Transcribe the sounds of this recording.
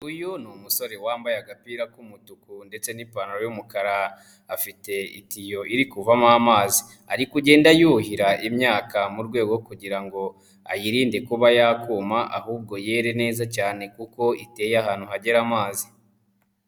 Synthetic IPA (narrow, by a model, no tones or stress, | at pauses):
ujunumuso̞ɾe̞waːmbajaɡapiːɾakumutukunde̞t͡se̞nipanuɾojumukaɾaː | fite̞ḭtijo̞ʔiɾikuvamamaːzi | aɾikuɟe̞ːndajuːhiɾaʔimɲaːkamuɾɡwe̞ːɡo̞kuɟiɾaŋɡo̞ | ajiɾiːnde̞kuβajakuːmaʔa̰huːb̚ɡo̞je̞ɾe̞ne̞ːzacaːne̞kuko̞ite̞ːjaɦaːn̥uhɦaɟe̞ɾamaːzi